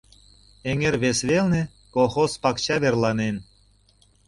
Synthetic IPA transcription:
eŋeɾβesβelne | koxospɑkt͡ɕɑβerlɑnen

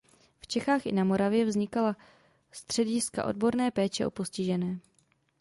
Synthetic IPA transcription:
ft͡ʃɛxaːxʔɪ̰namo̞ɾavjɛvzɲɪkala | st̪r̝̥ɛɟɪska̰ʔo̞d̚bo̞ɾnɛːpɛːt͡ʃɛʔo̞̰po̞scɪʒɛnɛː

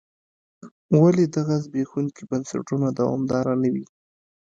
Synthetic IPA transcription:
waled̪aɣazbexuŋkibansa̰ʈunad̪awɑ̰md̪ɑɾanawi

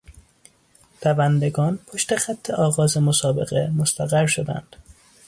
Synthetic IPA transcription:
pævænd̪eɡɒːnpʰoʃt̪exæt̪ʰːe̞ʔɒːɣɒːzemosɒːbe̞ɣemost̪ʰæɣæɾʃod̪æ̰nd̪̥

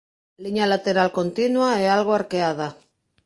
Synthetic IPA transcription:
liɲalat̪eɾalko̞nt̪inwaealɣ̞oaɾkeað̞a

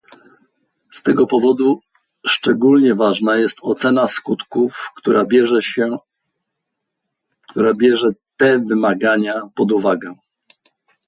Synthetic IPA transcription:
st̪ɛɡɔpɔvɔd̪u | ʂt͡ʂɛɡulɲɛvaʐnajɛst̪ɔt̪sɛnaskut̪kuft̪uɾabʲɛɛ | kt̪uɾabʲjɛʐɛt̪ɛvɘmaɡaɲapɔd̪uvaɡɛ

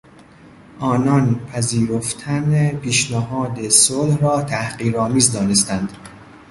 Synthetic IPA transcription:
ʔɒːnɒnpʰæziːɾoft̪ʰænepʰiːʃneɦɒːd̪esolhɾɒːt̪ʰæhɢiːɾɒːmiːzd̪ɒːnest̪ænd̪̥

